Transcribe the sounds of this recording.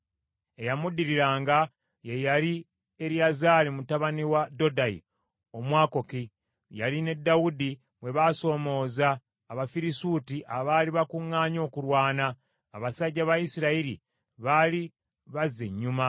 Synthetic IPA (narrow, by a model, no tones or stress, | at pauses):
ejamudiɾiɾaːŋɡa | jejali | e̞ɾjazaːlimutaβaniwado̞daḭ | o̞mwaːko̞ki | jaline̞dːawudi | mwe̞βaso̞ːmo̞ːzaː | βafiɾisutiʔaβaːliβakuŋːaːɲo̞ːkuɾwaːnaː | βasaɟːaβajisiɾaiɾi | βali | βazːe̞ɲːuma